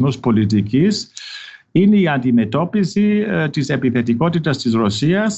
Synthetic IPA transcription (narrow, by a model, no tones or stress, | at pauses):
nuspo̞lit̪̬icis | ineiɐnd̪ime̞t̪o̞pisit̪ise̞piθe̞t̪iko̞t̪it̪ɐst̪izɾo̞siɐs